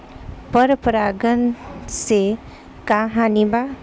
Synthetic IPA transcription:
pʌɾpɾaɡənse | kaɦaniba

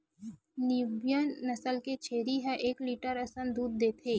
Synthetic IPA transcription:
nɪbjənːɐsəlket͡ʃʰeːɾiɦɛ̃ʔeːkliːʈəɾɐsənd̪uːd̪̚ːeːt̪ʰeː

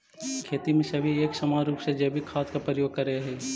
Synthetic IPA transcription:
kʰeːt̪imẽsɐbʱieːksɐmaːɾuːpsed͡ʒeːbʱikʰaːt̪kapɾəjoːɡ̚kɐɾəeɦɛː

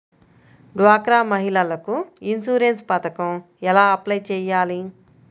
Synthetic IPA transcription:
ɖʋaːkɾaːmɐɦilɐlɐkuinsuːɾenspɐt̪ɐkɐm | ɛlaːɐplɐjt͡ʃɛːjːaːli

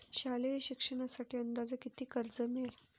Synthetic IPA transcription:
ɕalejiɕikʂəɳ̃asaʈiːənd̪ad͡zəkit̪iːkəɾd͡zəmeɾ

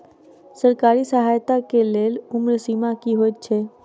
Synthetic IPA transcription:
səɾkaːɾisəɦajt̪akeleːlʊmɾsimakiɦojt̪̚t͡ʃʰe

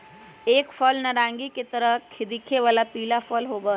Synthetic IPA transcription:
eːkfʰɔlnəɾãŋɡiket̪əɾəkʰːid̪ikʰeʋalapiːlafʰɔlɦoːbə

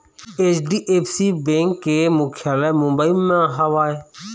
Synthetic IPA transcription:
eːt͡ʃɖiːʔeːpsiːbẽːŋkːeːmʊkʰjaːlɛːmʊ̃mbəimãɦəʋaːeː

